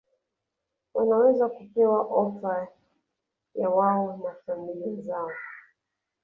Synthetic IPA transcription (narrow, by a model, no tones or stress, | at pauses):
wanawɛzakupɛwaʔɔfa | jawaɔnakamilizaɔ